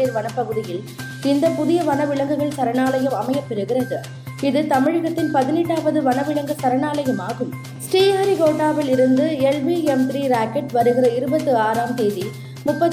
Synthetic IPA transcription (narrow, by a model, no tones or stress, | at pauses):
eːɾʋɐnɐpːɐɣɯðɪjɪl | ɪnd̪ɐpʊðɪjɐʋɐnɐʋɪɭɐŋɡɯɣɐɭt̪ɐɾɐnaːlɐjɯmɐmɐjɐpːɛɾɯɣɪrɐðɯ | ɪðɯt̪ɐmɪɻɯɣɐt̪ːɪnpɐðɪnɛʈːaːʋɐðɯʋɐnɐʋɪɭɐŋɡɯt̪ɐɾɐnaːlɐjɯmaːɣɯm | sʈiːaːɾiɡoːʈːaːʋɪlɪɾɯnd̪ɯɛlʋiɛmt̪ɾiːɾaːkɛʈʋɐɾɯɣɪrɐɪɾɯbɐt̪ːɯaːɾaːmt̪eːði | mʊpːɐ